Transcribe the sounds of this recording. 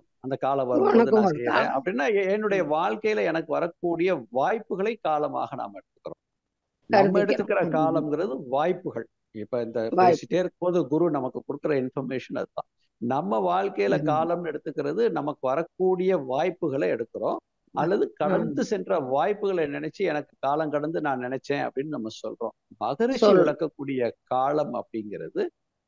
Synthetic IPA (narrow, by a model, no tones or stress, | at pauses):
ɐnd̪ɐkaːlɐʋɐɾɐɐnɐðɯasɾɪjɐpːɐɽɪnːaːɛnːɯɽɐjɐʋaːɻkɐjɪlɐɛnɐkːɯʋɐɾɐkːuːɽɪjɐʋaːjpːɯɣɐɭɐɪkːaːlɐma̰ːɣɐna̰mɛɽɯt̪ːɯ̥kːɯɾõ̰ː | nmːɛɽɯt̪ːɯkːɐɾɐkaːlɐmɡɪɾɐðɯʋaːjpːɯɣɐɭ | ɪpːoːɪnd̪ɐsɪʈːeːɪɾɯkːoːðɯɡʊɾunɐmɐkːɯkʊɽɯkːɯɾɐɪnfɐɾmeːʂɐnɐ̰ðɯt̪ã̰ː | nɐmːɐʋaːɻkɐjɪlɐkaːlɐmɛɽɯt̪ːɯkːɪɾɐðɯnɐmɐkːɯʋɐɾɐkːuːɽɪjɐʋaːjpːɯɣɐɭɐɛɽɯkːɯɾõː | ʔɐlːɐðɯkɐɽɐnd̪ɯsɛndrɐʋaːjpːɯɣɐɭɐnɪnɛt͡ʃːɯɛnɐkːɯ̥kaːlɐmkɐɽɐnd̪ɯnãːnnɪnɛt͡ʃːẽːɐ̰pːɐɽɪnːɯnɐmːɐsɔlrõ̰ːmɐɣɐɾɪɐlɪɽɐkːɐkːuːɽɪjɐkaːlɐmɐ̰pːɐɽɪŋɡɪɾɐ̰ðɯ